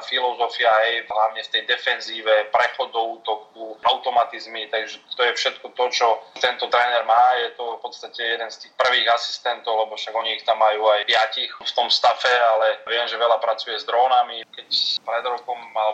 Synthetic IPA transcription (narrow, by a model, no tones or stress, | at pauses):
filɔzɔfiaɛjɦlaʊɲɛft̪ɛjd̪ɛfɛnziːʋɛpɾɛxɔd̪ɔuːt̪ɔk̪uaʊt̪ɔmat̪izmit̪aɡʒɛt̪ɔjɛfʃɛt̪kɔt̪ɔt͡ʃɔt̪ɛnt̪ɔt̪ɾɛːnɛɾmaːjɛt̪ɔfpɔt̪st̪acɛjɛd̪ɛnst̪iːxpr̩ʋiːɣasi̥st̪ɛnt̪ɔʊlɛbɔfʃaɡɔɲiixt̪amːajuːajpɪacixft̪ɔmst̪afɛalɛʋɪɛmʒɛʋɛlapɾat͡sujɛzd̪ɾɔːnamikɛcpɾɛd̪ɾɔkɔmalɛ